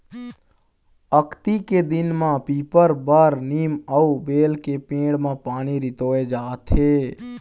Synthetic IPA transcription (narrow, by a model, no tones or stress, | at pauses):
əkt̪iked̪inmãpipəɾbəɾniməubelkepẽɽmẽpaːniɾit̪oed͡ʒaːt̪ʰe